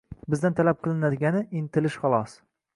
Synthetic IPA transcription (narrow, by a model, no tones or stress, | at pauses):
bɪzd̪ant̪ʰalap̚qʰɨlˠɪnad̪ɪɡʲanɪint̪ɪlɪʃχɑlˠɒs